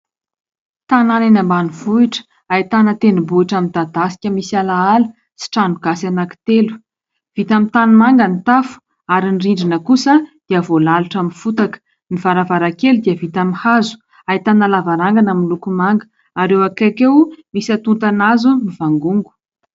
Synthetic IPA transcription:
t̪ananenəmbanuvuiʈ͡ʂə̥ | ajit̪anət̪enubuiʈ͡ʂamint̪ad̪asi̥kʲəmisalaalu | si̥ʈ͡ʂanuɡasanaki̥t̪elu̥ | v̥it̪amint̪anumaŋɡənit̪afu̥ | aɾiniriɳɖ͡ʐinəkusəd̪̥iəvolaluʈ͡ʂaminfut̪akə̥ | niv̥aɾavaɾakelud̪iəvit̪amihazu̥ | ait̪analavaɾaŋɡanaminlukumaŋɡə | aɾewakakewmisat̪unt̪anazumiv̥aŋɡuŋɡu̥

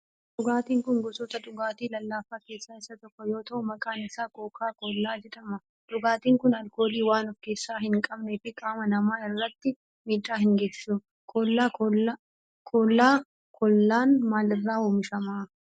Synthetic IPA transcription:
ᶑʊɡaːt̪iːŋkʊŋɡɔsɔt̪ɐᶑʊɡaːt̪iːlɐlːaːfaːke̞ːsːaːɪsːɐt̪ɔkːɔjo̞ːt̪ɐʔʊmɐkʼaːnɪsaːkoːkʰaːkɔlːaːd͡ʒɛᶑɐmɐ | d̪ʊɡaːt̪iːŋkʊnɐlko̞ːliːwaːnɔfke̞ːsːaːɦɪŋkʼɐbneːfɪkʼaːmɐnɐmaːɪrːɐt̪ːɪ | miːᶑːaːhɪŋɡeːsu | kʰɔlːaː | kʰɔːlːaː | kɔlːaːnmaːlɪrːaːoːmɪʃɐmaː

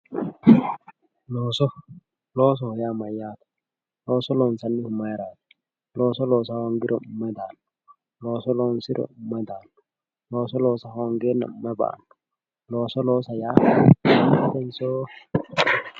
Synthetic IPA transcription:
lɔsɔ | lɔs̬ɔhjamajaːt̪ḁ | lɔsɔlɔnsanːihumajɾaːt̪ḁ | lɔsɔlɔːsahɔŋɡiɾɔmɛd̪aːn | lɔːsɔlɔnsiɾɔ̰mɛd̪an | lɔsɔlɔːsahɔŋɡɛna̰mɛba̰n | lɔːsɔlɔsaja | tɛnsɔ

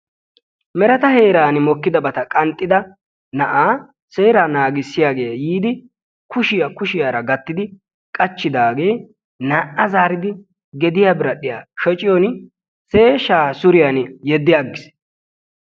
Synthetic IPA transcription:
mɛɾɐt̪ɐhe̞ːɾaːnɪmɔkːɪd̪ɐbɐt̪ɐkʼɐnt̪ʼːɪd̪ɐ | nɐʔaː | se̞ːɾaːnaːɡɪsːɪjaːɡe̞ːjiːd̪ɪ | kʰʊʃɪjakʊʃɪjaːɾɐɡɐt̪ːɪd̪ɪ | kʼɐt͡ʃːɪd̪aːɡe̞ː | naːʔɐzaːɾɪd̪ɪ | ɡɛd̪ɪjaːbɪɾɐɗɪja̰ːʃɔt͡ʃʼɪjoːn | se̞ːʃaːsʊɾɪjanjɛd̪ːɪjaɡːɪs

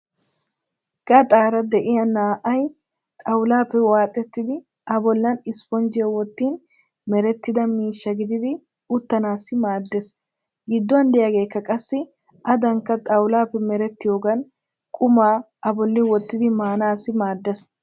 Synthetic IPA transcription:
ɡ̥ɐt̪ʼaːɾɐd̪ɛʔɪjɐnːaːʔɐj | t̪ʼɐwlaːfːɛwaːt̪ʼːɛt̪ːɪd̪ɪ | ʔɐbɔlːɐnɪspɔnd͡ʒɪjɛwɔt̪ːiːn | mɛɾɛt̪ːɪd̪ɐmiːʃːɐɡɪd̪ɪd̪ɪ | ʊt̪ːɐnaːsɪmaːd̪ːɛs | ɡɪd̪ːɔɐnd̪ɛjaɡe̞ːkːɐkʼɐsːɪ | ɐd̪ɐŋkːɐt̪ʼɐwlaːfɛmɛɾɛt̪ːɪjo̞ːɡɐn | kʼʊmaː | ɐbɔlːɪwɔt̪ːɪd̪ɪmaːnaːsɪmaːd̪ːɛs

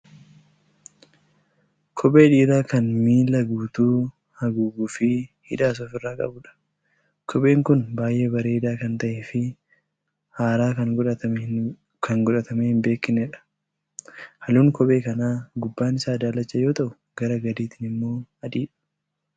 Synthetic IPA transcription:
kʰɔbe̞ːᶑiːɾaːkɐnmiːlɐɡuːt̪uː | hɐɡuːɡuːfɪhɪᶑaːs̬oːfɪrːaːkʼɐ̰bʊᶑɐ̥ | kʰɔɓe̞ːŋkʊnbaːjʔe̞ːbɐɾe̞ːd̪aːkɐnt̪ɐʔeːfɪ | haːɾaːkɐŋʊᶑɐ | kɐŋɡʊᶑɐt̪ɐmehɪmbe̞ːkːɪnɛᶑɐ̥ | hɐluːŋkɔɓʼe̞ːkɐnaːɡʊbːaːnɪsaːd̪aːlɐt͡ʃːɐjo̞ːt̪ɐʔʊ | ɡɐɾɐɡɐd̪iːt̪ɪnɪmːo̞ːɐᶑ̪iːᶑɐ̥

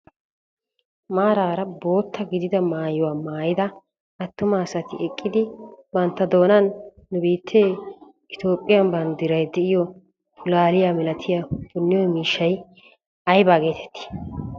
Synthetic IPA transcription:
maːɾaːɾɐbo̞ːt̪ːɐɡɪd̪ɪd̪ɐmaːjɔwaːmaːjɪd̪ɐ | ɐt̪ːʊmaːsɐt̪ɪʔɛkʼːɪd̪ɪbɐnt̪ːɐd̪o̞ːnɐnː | ʊbiːt̪ʰːeː | ɪt̪o̞ːpʼːɪjɐnbɐnd̪ɪɾɐjd̪ɛʔɪjɔ | pʰʊlaːlɪjaːmɛlɐt̪ʰɪjabʊnːɪjɔjmiːʃːɐj | ɐjbaːɡe̞ːt̪ʰɛ̥t̪ːɪ̥

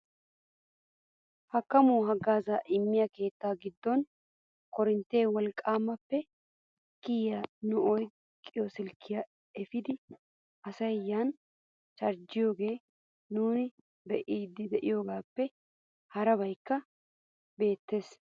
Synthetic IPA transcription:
hɐkːɐmuːɦɐɡaːzaʔɪmːɪjɐke̞ːt̪ːaːɡɪd̪ːɔn | kɔɾɪnt̪ːe̞ːwɔlkʼːaːmːɐpːɛ | kːɪjjanʊɔj | kʼːɪjɔsɪlkʰːɪjɐ | ɛfɪd̪ɪ | ɐsɐjjaːn | t͡ʃɐɾd͡ʒɪjo̞ːɡe̞ː | nuːnɪ | bɛʔiːd̪ːɪd̪ɛʔɪjo̞ːɡaːpːɛ | hɐɾɐbɐjkːɐ | be̞ːt̪ːe̞ːs

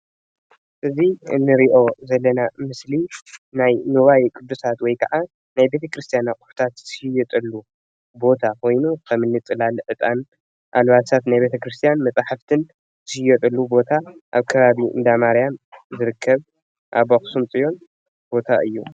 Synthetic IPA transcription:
ʔɨziɨ̰nːɨɾiʔo̞zɐlːɐnamɨslinajnuβajkʼɨd̪ːusat̪wɔjkʰɐʕa | najbe̞t̪ʰɐkɾɨst̪ʰijanakʼʊ̥ħu̥t̪ʰat̪ɨhjɛt̪ʼɐlːu | bo̞t̪ʰakʰo̞jnukʰɐmɨnːɨt͡sʼɨlalɨʕɨt̪ʼan | ʔa̰lβasʰat̪najbe̞t̪ʰɐkɾɨst̪ʰijanmɐt͡sʼaħaft̪ʰɨn | zɨhɨjɛt̪ʼɐlːubo̞t̪ʰaʔaβkʰɐβaβiɨ̰nd̪amaɾijamzɨɾɨkʰːɐβ | ʔaβaxsumt͡sʼɨjo̞n | bo̞t̪ʰaʔɨ̰jːu

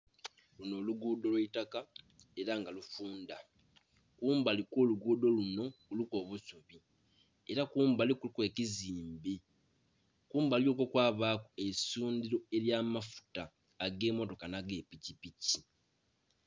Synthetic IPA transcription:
luno̞ːluɡuːdo̞lweitakae̞ɾaŋɡalufuːnda | kuːmbalikwoːluɡuːdo̞luno̞kuluko̞ːβusoβi | eɾakuːmbalikulkwe̞ːkiziːmbi | kuːmbaljoːkokwaːβakuesuːndiɾo̞e̞ɾjaːmafu̥taː | ɡe̞ːmo̞to̞kanaɡe̞picipici

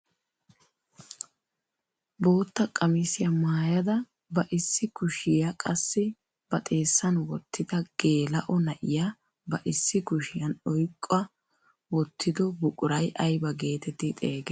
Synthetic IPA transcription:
boːt̪ːɐkʼɐmɪsɪjɐmaːjɐd̪ɐ | bɐʔɪsːɪkʊʃɪjɐkʼɐsːɪ | b̥ɐt̪ʼe̞ːsːɐnwɔt̪ʰːɪd̪ɐɡ̥e̞ːlɐʔɔnɐʔɪja | bɐʔɪsːɪkʊʃɪjɐnɔjkʼːɔɐ | wɔt̪ʰːɪd̪ɔbʊkʼʊɾɐjʔɐjbɐɡe̞ːt̪ɛt̪ɪt̪ʼeːɡe

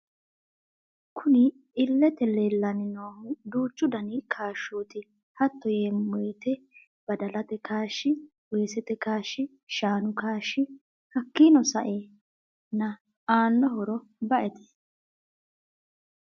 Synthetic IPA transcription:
kʰʊnɪ | ɪlːɛt̪ɛleːlːɐnɪnoːhʊd̪uːt͡ʃːʊd̪ɐnɪkʰaːʃːuːt̪ɪ | hɐt̪ːɔjemːɔjt̪ɛ | b̥ɐd̪ɐlɐt̪ɛkaːʃːɪ | weːsɛt̪ɛkaːʃːɪ | ʃaːnʊkaːʃːɪ | hɐkːiːnɔsɐʔeː | nːɐ | aːnːɔɦɔɾɔ | bɐʔɛt̪ɪ̥

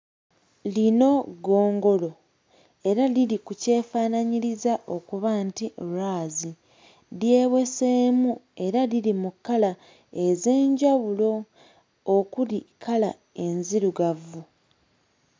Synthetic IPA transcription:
lino̞ɡo̞ːŋɡo̞lo̞ | e̞ɾalilikuce̞ːfaːnaɲiɾizaʔo̞kuβaːntiɾaːzi | lje̞ːβwe̞seːmue̞ɾalilimukːala | e̞ze̞ːɲɟaβulo̞ː | kulikʰala | e̞nziɾuɡavːu

